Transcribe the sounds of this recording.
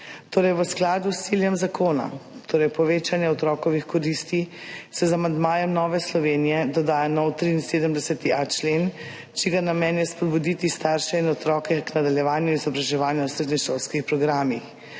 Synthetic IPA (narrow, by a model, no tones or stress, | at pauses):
t̪oːɾɛjʋəsklaːd̪ust̪siljɛmzakʰoːna̰t̪ʰoːɾɛjpɔʋeːt͡ʃanjɛɔt̪ɾɔkɔʋixkɔɾist̪isɛzamand̪maːjɛmnɔːʋɛslɔʋeːnijɛd̪ɔd̪aːjanɔwt̪ɾiːnseːd̪əmd̪ɛsɛt̪iʔat͡ʃleːn | t͡ʃiɡanamɛnjɛspɔd̪̚bud̪it̪ist̪aːɾʃɛinɔt̪ɾɔːkɛknad̪aljɛʋaːnjuizɔbɾaʒɛʋaːnjawsɾeːd̪nixʃolskixpɾɔɡɾaːmix